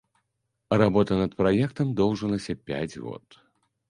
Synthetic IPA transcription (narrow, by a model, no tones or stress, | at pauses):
rabɔt̪ɐnɐt̪̚pɾajɛkt̪ɐmd̪ɔwʐɐlˠɐsʲɐpʲa̰d͡zʲɣɔ̰t̪